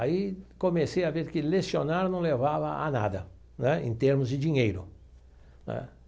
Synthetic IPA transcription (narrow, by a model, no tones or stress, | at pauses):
aikomesejaveɾkɪlesjonaɾnɐ̃w̃levavɐa̰na̰d̪ɐ | nɛḛ̃nt̪eɾmʊzd͡ʒɪd͡ʒiɲejɾʊ | nɛ̰